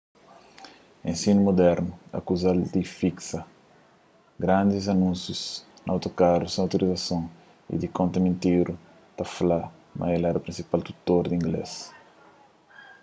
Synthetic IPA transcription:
ẽnsinumod̪ɛɾnuɐ̰kuzald̪ifiksɐ | ɡɾãnd̪izɐnũnsjusnawt̪okaɾusẽawt̪oɾʔizɐsõŋ | ḭd̪ikõnt̪ɐmĩnt̪iɾu | t̪afala | mɐ̰elɛɾɐpɾĩnsipalt̪u̥t̪oɾd̪ĩŋɡlḛs

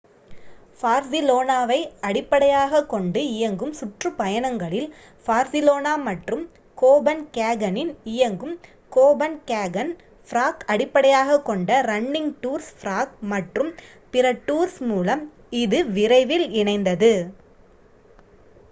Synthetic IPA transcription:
faːɾsɪloːnaːʋɐɪɐɽɪpːɐɽɐjaːɣɐkːɔɳɖɯɪjɐŋɡɯmsʊʈrɯpɐjɐnɐŋɡɐɭɪl | faːɾsɪloːnaːmɐʈrɯm | koːbɐnkaːɡɐnɪnɪjɐŋɡɯm | koːbɐnkaːɡɐn | fɾaːkɐɽɪpːɐɽɐjaːɣɐkːɔɳɖɐɾɐɳːɪŋʈuːɾsfɾaːkmɐʈrɯm | pɪɾɐʈːuːɾsmuːlɐm | ɪðɯʋɪɾɐɪʋɪlɪɳɐɪnd̪ɐðɯ

